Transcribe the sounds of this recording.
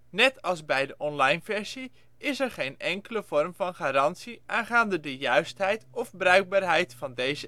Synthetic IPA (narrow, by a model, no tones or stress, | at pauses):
nɛtʰɑlˠzbɛjdəʔɔnlɑjnvɛɹsi | ɪsɛɹχejnɛŋkələv̥ɔrmvɑnχaːɾɑntsiʔaːnχaːndədəjœɥstɦɛjtɔfbrœɥɡ̚baːɹɦɛjtfɑndejzə